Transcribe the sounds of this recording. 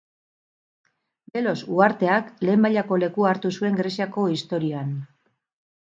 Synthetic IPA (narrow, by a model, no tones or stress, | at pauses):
be̞lo̞suaɾt̪e̞akle̞ːmbaʎako̞le̞kuaɾt̪usue̞ŋɡɾe̞siako̞ist̪o̞ɾioan